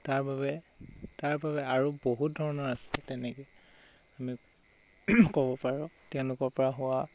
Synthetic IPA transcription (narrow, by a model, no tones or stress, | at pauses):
taɹbabɛ | taɹbaβɛaɹuboɦut̚dʱɔɹɔnɔɹastɛtɛnɛkɛ | ami | kɔbɔpaɹũtɛʊ̃lʊkɔɹpɔɹaɦʊwa